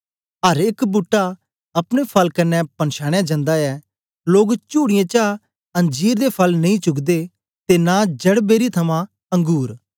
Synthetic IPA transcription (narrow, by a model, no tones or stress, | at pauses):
ɦɐɾɪkbʊʈːa | ɐpɽ̃epʰɐlkɐnːɛpɐnʃaːɽ̃jãd͡ʒə̃nd̪aɛ | loːɡt͡ʃuːɽɪjẽt͡ʃa | ɐ̃ɲd͡ʒiːɾd̪epʰɐlnɐĩːt͡ʃʊkd̪e | t̪enad͡ʒɐɽbeːɾit̪ʰɐmã | ɐ̃ŋɡuːɾ